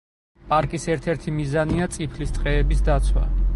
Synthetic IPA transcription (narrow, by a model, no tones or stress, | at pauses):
pʼaɾkʼisɛɾt̪ʰɛɾt̪ʰimizaniat̪sʼipʰlist̪sʼqʼɛːbisd̪at̪sʰwa̰